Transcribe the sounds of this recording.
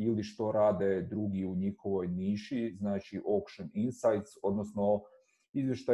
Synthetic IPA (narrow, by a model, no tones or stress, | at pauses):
iliʃt̪o̞ɾaːd̪ed̪ɾuɡiuɲixo̞ʋo̞jniːʃiznaːt͡ʃiʔokʃoninsajt̪so̞d̪nosno | izʋje̞ʃt̪a